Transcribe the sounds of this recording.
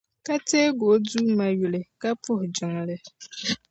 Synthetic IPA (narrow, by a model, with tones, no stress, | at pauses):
ka˦teː˦ɡo˨˦duː˦ma˦ju˨lɨ˨ka˦pʊ˦hʊ˨d͡ʒɪ˨ŋlɨ˦